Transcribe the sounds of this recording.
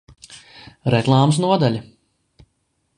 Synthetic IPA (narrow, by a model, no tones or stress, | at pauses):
ɾɛklˠaːms̬nuɔd̪alʲi